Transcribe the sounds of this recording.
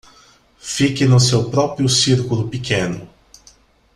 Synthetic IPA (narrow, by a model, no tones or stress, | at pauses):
fikɪnʊsewpɾɔpɾiʊsiɾkulʊpikʰẽnʊ̰